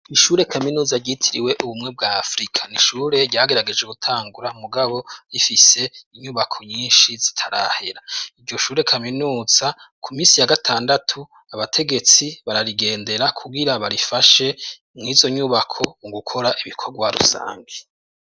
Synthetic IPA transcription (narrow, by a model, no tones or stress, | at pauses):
iʃuːɾe̞kʰaminuːzaɾɟitʰiɾḭwe̞ʔuβumŋe̞b̚ɡaːfɾikʰḁniʃuːɾe̞ɾɟaːɡe̞ɾaɡe̞d͡ʒeɡutʰaːŋɡuɾamuɡaβo̞jifise̞iɲuβakʰo̞ɲiːnʃizi̥tʰaɾa̰he̞ɾaiɾɟo̞ʃuːɾe̞kʰaminuːz̥akʰumiːsijaɡatʰaːndatʰu | aβatʰe̞ɡe̞t͡siβaɾaɾiɡe̞ːnde̞ɾakʰuɡiɾaβaɾifaʃe̞ | mŋiːzo̞ɲuβakʰo̞uɡukʰo̞ɾaʔiβikʰo̞ɾɡwaɾṵsa̰ːŋɡe